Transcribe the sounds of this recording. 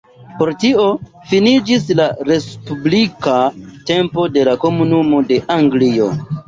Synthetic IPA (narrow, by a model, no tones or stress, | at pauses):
po̞ɾtio̞ | finid͡ʒislaɾe̞spublikate̞mpo̞de̞lako̞munumo̞de̞ʔaŋɡlio̞̰